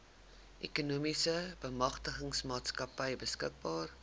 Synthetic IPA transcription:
ʔɛkunumisəbəmɐχtəχəŋsmɑːtskɐpəjbəskək̚bɑːr

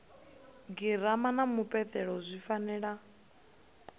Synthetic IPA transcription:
ɡiɾamanamupʼɛt̪ʰʼɛɺɔzʷifanɛːɺa

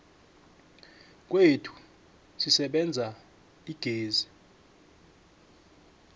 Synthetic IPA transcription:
k̬ʼwetʰu̥ | sisɛɓɛnd͡zʱa | iɡ̥ʱeːzi

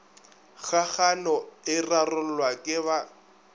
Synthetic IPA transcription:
ɣaɣanɔɪrarʊllwakʼɪβa

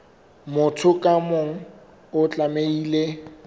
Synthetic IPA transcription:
mʊtʰʊkʼamoŋ̩ | ʊt͡ɬʼameiːle

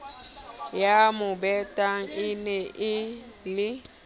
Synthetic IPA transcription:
jamʊbɛtʼaŋɪnɛʔɪlɪ

